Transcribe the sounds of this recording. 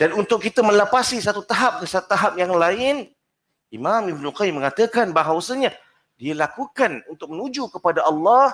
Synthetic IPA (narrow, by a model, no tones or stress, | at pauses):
d̥anunt̪ʊk̚ːit̪əmə̃lapasisat̪ut̪aɦap̚kəsat̪u̥t̪aɦap̚jaŋlaɪn | imãmibnulqajimːə̃ŋat̪əkanbaɦawsəɲã | dialakukanunt̪ʊk̚mənud͡ʒukəpadaʔɑlːɑ